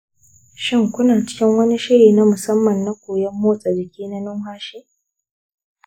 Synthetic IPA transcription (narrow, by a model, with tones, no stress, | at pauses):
ʃɪ˦ŋkʷʊ˦naː˨t͡ʃɪ̥˦kʲɪ˦ŋwɐ˦ni˦ʃɪ˦ɽiː˨na˦mʊ˨sɐ˦mːɐ˨nːa˦kʷoː˨jɛ˦mːoː˦sʼa˨d͡ʒɪ˨kʲiː˦na˦nʊ˦ŋɦaː˦ʃeː˦